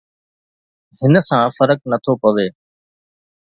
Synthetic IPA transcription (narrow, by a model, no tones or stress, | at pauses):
hɪnsãːfəɾək̚nət̪ʰoːpəʋeː